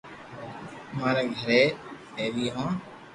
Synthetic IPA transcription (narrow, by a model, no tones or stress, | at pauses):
maːɾeːɡʱəɾeː | eːʋiːɦãː